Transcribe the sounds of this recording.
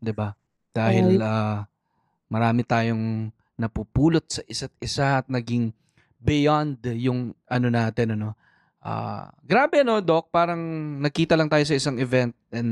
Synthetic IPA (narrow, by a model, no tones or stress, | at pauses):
d̪ɪba | d̪̥aːhɪlaː | mɐɾaːmɪt̪aːjo̞ŋ | nɐpupuːlot̪̚sɐʔɪsat̪̚ɪsaʔɐt̪̚nɐɡɪŋ | bɪjand̪jʊŋʔɐno̞naːt̪ɛnɐno̞ | ʔa̰ːɡɾaːbɛɐno̞d̪o̞k̚paːɾɐŋnɐkiːt̪ɐlɐŋt̪aːjo̞s̬ɐʔɪsaŋɛvɛnt̪̚ɛn